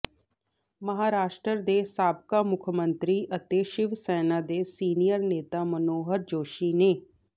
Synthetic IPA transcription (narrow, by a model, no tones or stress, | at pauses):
mɐɦaːɾaːʃʈɾəɾd̪eːsaːb̚kamʊkʰəmə̃nt̪ɾiʔɐt̪eːʃɪʋsɛːnad̪eːsiːnijəɾneːt̪amɐnoːɦəɾd͡ʒoːʃiːneː